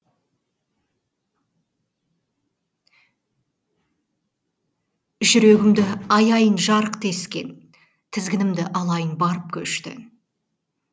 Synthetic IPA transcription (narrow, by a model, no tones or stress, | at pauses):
ʒʏɾe̞ɡʲɪmd̪ɪɑjɑjənʒɑɾəqt̪ʰe̞skʲe̞̰n | t̪ʰɪzɡʲɪnɪmd̪ɪʔɑlˠɑjənbɑɾəp̚kʲʰɵʃt̪ɪ̰